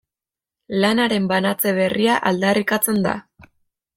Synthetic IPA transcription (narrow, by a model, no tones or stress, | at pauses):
lanaɾe̞mbanat͡se̞β̞e̞riaʔald̪arikat͡se̞nd̪a̰